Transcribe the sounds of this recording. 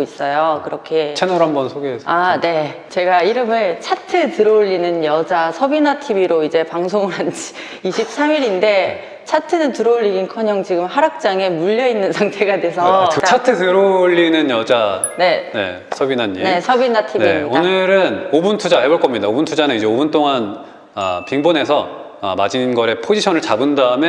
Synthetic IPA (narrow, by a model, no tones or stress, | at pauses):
is͈ʌjokɯɾʌkʰet͡ɕʰenʌɾɦambʌnsʰoɡeɦesʰane̞t͡ɕe̞ɡaiɾɯmɯɭt͡ɕʰatʰɯtɯɾʌʎːinɯnjʌd͡ʑasʰʌbinatʰibiɾoid͡ʑe̞paŋsʰoŋɯɾand͡ʑi̥ | iɕʰip̚s͈ʰamiɾinde̞ | t͡ɕʰatʰɯnɯntɯɾʌoʎːiɡinkʰʌɲʌŋt͡ɕiɡɯmɦaɾak̚t͡ɕ͈aŋe̞muʎːʌinːɯnsʰaŋtʰe̞ɡadwe̞sʰʌt͡ɕʰatʰɯtʰɯɾoʎːinɯnjʌd͡ʑa | ne̞ne̞̰ | sʰʌbinaɲːieesʰʌbinatʰibnieionɯɾɯnobuntʰud͡ʑaɦe̞boɭk͈ʌmɲidaobuntʰud͡ʑanɯnid͡ʑe̞obunt͈oŋan | a̰piŋbone̞sʰʌ | ʌ̰mad͡ʑinɡʌɾe̞pʰod͡ʑiɕʰʌnɯɭt͡ɕabɯndaɯme